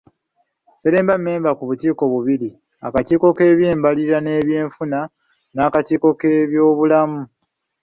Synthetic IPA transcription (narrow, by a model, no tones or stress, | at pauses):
seɾe̞ːmbamːe̞ːmbakuβutiːko̞βuβiɾi | a̰katiːko̞ke̞ːβjeːmbaliɾane̞ːβje̞ːɱfuna | naːkatiːko̞ke̞βjo̞ːβulamu